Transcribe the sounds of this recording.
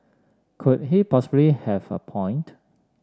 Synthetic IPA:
kʰut̚ɦipʰɔsɪblihɛvə̰pʰɔ̃ɪ̃nt

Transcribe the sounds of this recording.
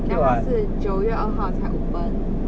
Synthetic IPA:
asɹ̩t͡ɕjoʊɥɛʔəxɑʊt͡sʰaɪʔufən

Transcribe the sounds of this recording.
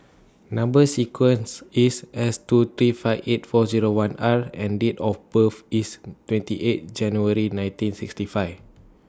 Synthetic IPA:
nãmbəsikʰwə̃nsisɛstut̪ɹifaɪvet̚fɔziɹowãnaɹɛ̃nditɔfbəfistwɛ̃ntiʔet̚d͡ʒɛ̃njuəɹinãj̃ntĩnsikstifaɪf

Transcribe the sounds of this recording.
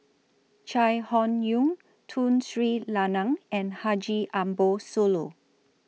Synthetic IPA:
t͡ʃajhɔ̃njũŋ | tʰũnsɹitlanãŋɛ̃nhad͡ʒiʔãmbosolo

